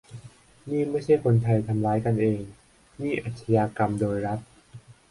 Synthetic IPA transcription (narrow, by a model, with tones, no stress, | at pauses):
niː˥˩ma˥˩jt͡ɕʰa˥˩jkʰo˧nt̪ʰa˧jt̪ʰa˧mɾaː˦˥jka˧nʔeː˧ŋ | niː˥˩ʔa˨˩t̪̚sʰa˧jaː˧ka˧mdoː˧jɾa˦˥t̪̚